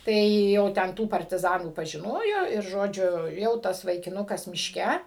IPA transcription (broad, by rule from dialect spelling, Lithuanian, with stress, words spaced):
ˈtɐɪ jɛʊ ˈtʲɛn ˈtuː pɐrʲtʲɪˈzɑːnuː pɐʒʲɪˈnoːjoː ɪr ˈʒoːd͡ʒʲʊ ˈjɛʊ ˈtɐs ʋɐɪkʲɪˈnʊkɐs mʲɪʃʲˈkʲɛ